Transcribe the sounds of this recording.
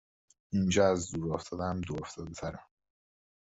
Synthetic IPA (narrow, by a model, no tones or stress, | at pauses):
ind͡ʒɒːæzd̪uɾoft̪ʰɒːd̪æmd̪ooft̪ʰɒːd̪et̪ʰæɾæm